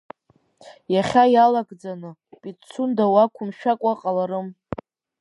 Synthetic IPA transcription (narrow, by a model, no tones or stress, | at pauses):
jaχʲajalaɡʼd͡zanɨpʼit͡sʰundawakʷʰʊmʃᶣakʷʼaqʼalaɾɨm